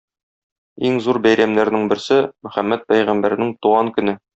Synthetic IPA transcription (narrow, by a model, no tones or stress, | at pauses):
iŋzuɾbæjɾæmnæɾnɘŋbɘ̆ɾsɘmɵ̆χæmːæt̪̚pæjʁæmbæɾnɘŋt̪uʁɑŋkɵ̆nɘ